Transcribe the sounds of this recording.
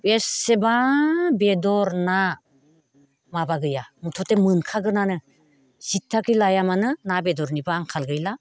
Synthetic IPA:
pesebabedɔɾna | mabaɡɯjamutʰɔtemɯnkʰaɡɯnanɯ | sitʰːakʰɯlajamanɯnabedɔɾnibaːŋkʰalɡɯjla

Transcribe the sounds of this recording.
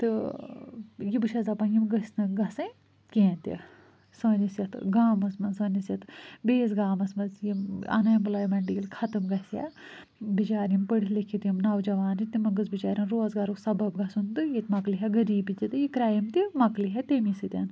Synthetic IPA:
t̪ɨ | jibɨʃʰɐzɐpɐnjimɡɐsʲnɨɡɐsɐ̃ | kẽːnt̪ḭ | sɐːnʲisjɐt̪ɡaːmɐsmɐnsɐːnʲisjɐt̪ʰbeːzɡaːmɐsmɐzjimɐ̰nɐjmblaːjimɐɳɖiilkʰɐt̪ɨmɡɐsja̰ | bit͡ʃaːɾimpəɽilikʰit̪jimnɐwd͡ʒɐʋaːnd͡ʒit̪imɐɡɨsbit͡ʃaːɾʲɐnɾoːzɡaːɾusɐbɐbɡɐsunt̪ɨjit̪mɐkliɦɐɡɐɾiːbit̪ʲit̪ɨjikɾaːjimt̪imɐkliɦɐt̪emisit̪ʲɐn

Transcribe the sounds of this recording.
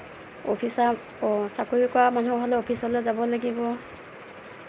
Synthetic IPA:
opʰisa | sakoɹikɔamanuɦɔlɛopʰisɔlɛzabɔlaɡibɔ

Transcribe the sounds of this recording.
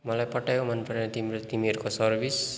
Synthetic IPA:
mʌlajpʌʈajomʌnpʌɾnet̪imt̪imiʌɾukosʌrbʱis

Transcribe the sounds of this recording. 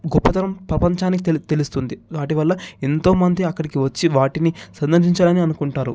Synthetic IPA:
ɡɔpːɐt̪ɐɾɐmpɾɐpɐɲt͡ʃaːnikit̪t̪e̞lust̪und̪iʋaːʈiʋɐlːɐent̪o̞ːmɐnd̪iɐkːɐɽikiʋɐt͡ʃːiʋaːʈinisɐnd̪ɐɾʃiɲt͡ʃaɽɐniɐnukuɳʈaːɾu

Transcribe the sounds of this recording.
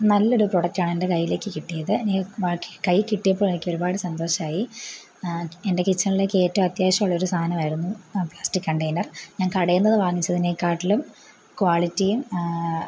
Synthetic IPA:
nɐlːɐo̞ɾupro̞ɽɐk̚taːɳe̞nde̞kɐjːile̞ːkːɨkiʈːijɐðɨeniʋaːkkɐjkiʈːijɐpːoːɭenikʲːo̞ɾubaːɽɨsɐnd̪o̞ːʂɐmaːji | ende̞kit͡ɕːɐɳilekːɨe̞ːtːɐːmɐt̪jaːɕɐmaːɭːɐoɾust̪ʰaːnɐmaːjɾunːupɭaːstikːkɐɳʈejnɐrɲaːnkɐɽɐjunːɐðɨʋaːŋːit͡ɕːɐðineːkːaːʈːilum | kwaːɭitːijum

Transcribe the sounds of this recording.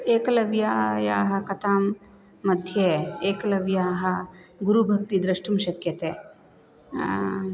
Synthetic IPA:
eːkɐlɐʋjaːjaːɦɐ̆kɐt̪aːmː | ɐd̪ʱjeːeːkɐlɐʋjaːɦɐ̆ɡuɾubʱɐk̚t̪id̪ɾɐʂʈumʃɐkjɐt̪eː

